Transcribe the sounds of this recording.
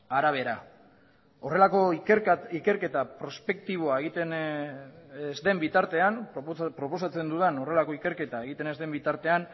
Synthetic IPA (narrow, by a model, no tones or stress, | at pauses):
aɾaβ̞e̞ɾa | o̞re̞lako̞ike̞ɾke̞t̪apɾo̞spe̞kt̪iβ̞o̞aeɣit̪en | zd̪e̞mbit̪aɾt̪e̞anpɾo̞po̞sat͡se̞nd̪uðeno̞re̞lako̞ike̞ɾke̞t̪ae̞ɣit̪e̞nezd̪e̞mbit̪aɾt̪e̞an